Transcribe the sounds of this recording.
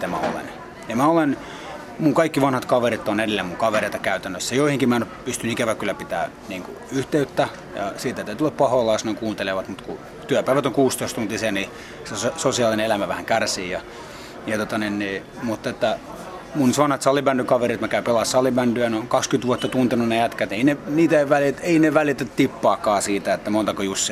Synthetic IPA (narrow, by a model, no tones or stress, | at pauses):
it̪æmæ̰o̰lḛn | jɑmæolen | muŋkɑikːiʋɑnhɑt̪kɑʋeɾit̪ːonedelːemuŋkɑʋereˑit̪ɑkæyt̪ænːøsːæjoihiŋkimænypyst̪ynikæʋækylːæpit̪æ̰ː | niːŋkṵ | yht̪eyt̪ːæ | jɑ̰siːt̪æt̪æyt̪lːɑppɑholɑːsnɑŋkuːnt̪eleʋɑt̪mut̪ku | t̪yæpæˑiʋæt̪oŋkuːst̪oist̪unt̪isiːnni | sesosiɑlineelæmæʋæhæŋkærsiːjɑ | jɑt̪ot̪ɑninniː | mut̪ːet̪ːæ | munsɑnɑt̪sɑlibændykɑʋerit̪mækæypelɑssɑlibændyæneoŋkɑkskyt̪ʋuɑt̪ːɑt̪unt̪enunejæt̪kæt̪eineniːt̪æʋælieineʋælit̪æt̪t̪ipːɑːkːɑːsiːt̪æet̪ːæmont̪ɑkojusːi